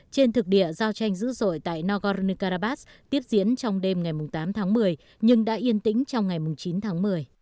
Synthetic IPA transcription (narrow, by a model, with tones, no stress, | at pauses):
t͡ɕe˧nt̪ʰɨ˨˩k̚ɗḭ˧˨əzaː˧wt͡ɕa˧jŋ̟zɨ̰˧˥zo̰˧˨jt̪a̰ː˧˨jnɔ˧ɣɔ˧zni˧kaː˧ɾaː˧ɓaː˦˥s | t̪i˦˥əp̚zḭ˧˥ənt͡ɕɔ˧wŋ͡mɗe˧mŋa˨˩jmʊ˨˩ŋ͡mt̪aː˨˦mt̪ʰaː˨˦ŋmɨ˨˩əj | ɲɨ˧ŋɗa̰ː˧˥ʔi˧ənt̪ḭ̈˧˥ŋ̟t͡ɕɔ˧wŋ͡mŋa˨˩jmʊ˨˩ŋ͡mt͡ɕi˨˦nt̪ʰaː˨˦ŋmɨ˨˩əj